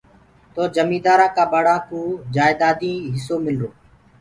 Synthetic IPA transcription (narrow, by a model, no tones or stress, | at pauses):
t̪oːd͡ʒəmiːd̪aːɾãːkaːbəɽãːkũːd͡ʒaːɪd̪aːd̪ĩːɦɪs̬oːmɪloː